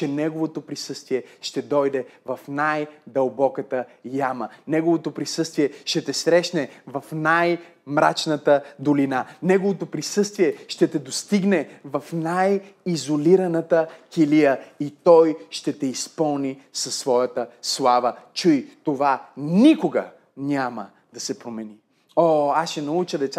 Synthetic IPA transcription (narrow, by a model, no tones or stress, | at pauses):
t͡ʃɛnɛɡovot̪opɾisɤst̪viɛʃt̪ɛd̪ɔjd̪ɛvɐfnajd̪ɐlˠbɔkət̪əjamənɛɡovot̪opɾisɤst̪viɛʃt̪ɛt̪ɛsɾɛʃnɛvɐfnaj | mɾat͡ʃnət̪əd̪olinanɛɡovot̪opɾisɤst̪viɛʃt̪ɛt̪ɛd̪ost̪iɡnɛvɐfnajizoliɾɐnət̪əkʲilijəit̪ɔjʃt̪ɛt̪ɛispɤlˠnisɐsːvɔjɐt̪əslˠavət͡ʃujt̪ovanʲikoɡə̰ | nʲamə | d̪ɐsɛpɾomɛni | oasʃɛnɐut͡ʃəd̪ɛt̪sa